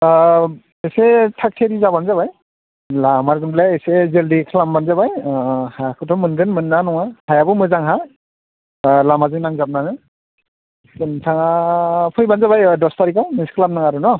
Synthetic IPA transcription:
esetʰak̚tʰeɾizabanzabaj | lamaɾɡɯnblajesezeldikʰlambanzabajhajakʰɯtʰɔmɯnɡɯnmɯnːanɔŋahajabɔmɯzaŋɦa | lamazɯŋnaŋzap̚naŋɯ | sɯntʰaŋapʰɯjbanzabajdɔstaɾikʰawmiskʰlamnaŋaɾunɔ

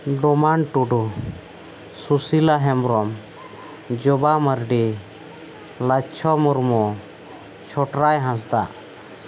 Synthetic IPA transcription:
ɖɔmanʈuɖu | susilaɦɛmɾɔm | d͡ʒɔbaməɾɖi | lat͡ʃʰɔmɔɾmɔ | t͡ʃʰɔʈɾajɦãs̬d̪a̰ʔ

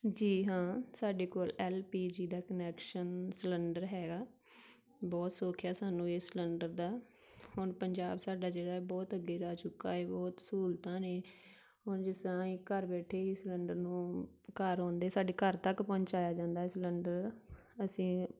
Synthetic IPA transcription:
d͡ʒiːɦãːsaːɖeːkoːlɛːlpiːd͡ʒiːd̪aːkənɛːkʃənsləɳɖəɾɦɛːɡaː | bɔːt̪soːkʰjaːsaːnũːeːsləɳɖəɾd̪aː | hʊnpəɲd͡ʒaːbsaːɖaːd͡ʒeːɽaːbɔːt̪əɡːeːɾaːt͡ʃʊkːa̰ːeːbɔːt̪suːlt̪ãːneː | ɦʊnd͡ʒɪsɾãːɪkəɾbɛːʈʰeːisləɳɖəɾnũː | kəɾɔ̃ːnd̪eːsaːɖeːkəɾt̪əkpɔ̃ːɲt͡ʃaːjaːd͡ʒãːnd̪aːɛːsləɳɖəɾ | əsĩː

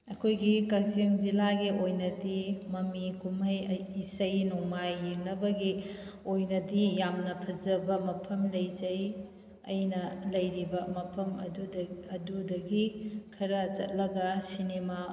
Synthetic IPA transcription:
ɐkʰojɡikɐk̚ziŋd͡ʒilaɡiʔojnɐdimɐmikumɐjːsɐjnuŋmajːiŋnɐbɐɡi | ojnɐdijamnɐpʰɐzɐbɐmɐpʰɐmlɐjzɐj | ɐ̰jnɐlɐjɾibɐmɐpʰɐmɐ̰duɐdudɐɡikʰɐɾɐt͡ʃɐ̰t̚lɐɡɐsinema

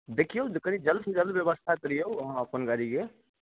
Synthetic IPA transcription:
d̪ekʰijowd͡ʒkənid͡ʒəlsed͡ʒəlbjəbəst̪ʰakəɾijowəɦãəpənɡaɾiɡe

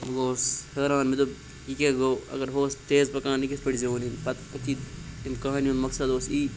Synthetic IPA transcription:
mɡoːshəːɾãːnmit̪ub | ikeɡoːɐ̰ɡɐɾɦoːst̪eːzpɐkãːnikispɐʈzoːninpɐt̪ɐk̪ʰiimkaɦnjunmɐksɐd̪oːsiː

